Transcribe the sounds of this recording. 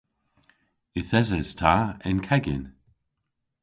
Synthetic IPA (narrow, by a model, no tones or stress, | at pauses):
ɪθɛzɛz̥tʰaɪnkʰɛɡɪ̰n